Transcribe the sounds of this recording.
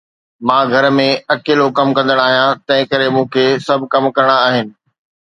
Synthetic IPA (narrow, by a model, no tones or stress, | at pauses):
mãːɡʱɐɾmẽɐkeːlokɐmkɐ̃nd̪əɽ̃aːɦijãt̪ɐ̃ɦɪ̃kɐɾemũːkʰeːsɐbʱɪkɐmkɐɾəɽ̃aaːɦɪnɪ̆